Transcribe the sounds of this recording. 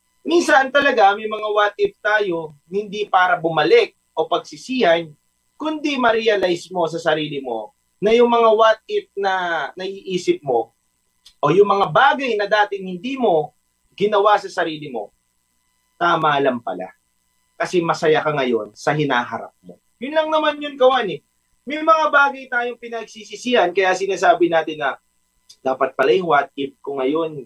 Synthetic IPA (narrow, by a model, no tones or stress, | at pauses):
minsɐnt̪ɐlɐɡamɐjmɐŋawat̪̚ɪp̚t̪aːjo̞hhɪnd̪ipaːɾɐbʊmɐlɛk̚ʔo̞pɐɡ̚sɪsiːhɐn | kʊnd̪imɐɾɛɐlajsmo̞s̬ɐsɐɾiːlɪmo̞̰ | nɐjʊŋmɐŋawat̪̚ɪp̚nɐnɐʔiːʔiːsɪp̚mo̞ | ʔojʊŋmɐŋabaːɡɐjnɐd̪aːt̪ɪŋhɪnd̪iːmo̞ | ɡɪnɐwasɐsɐɾiːlɪmo̞ | namaːlɐmpɐ̰la̰ | kɐsɛmɐsɐjakɐŋɐjo̞nsɐɦɪnaːɦɐ̰ɾa̰p̚mo̞̰ | jʊnlɐŋnɐmanjʊnɡɐwanɛ | mɛjmɐŋabaːɡɐjt̪aːjoŋpɪnɐɡ̚sisisɪhɐnkɐjasɪnaːsaːbɪnaːt̪ɪnːɐ | d̪aːpɐt̪̚pɐlajʊŋwat̪̚ɪp̚kʊŋɐjo̞n